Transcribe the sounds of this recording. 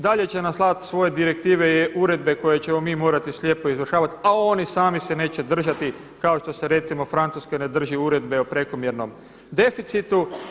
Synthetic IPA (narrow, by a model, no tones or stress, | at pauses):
d̪aʎe̞t͡ɕenaslˠat̪sʋo̞je̞d̪iɾek̚t̪iːʋeʔuɾe̞d̪be̞ko̞jet͡ɕe̞mo̞miːmo̞ːɾat̪islʲje̞ːpo̞izʋr̩ʃaːʋat̪iao̞nisaːmisene̞ːt͡ɕe̞d̪r̩ʒat̪i | kao̞ʃt̪o̞seɾe̞t̪simo̞fɾant̪suskene̞d̪r̩ʒiuɾe̞d̪be̞opɾe̞ko̞mjeɾno̞m | d̪e̞fit̪sit̪u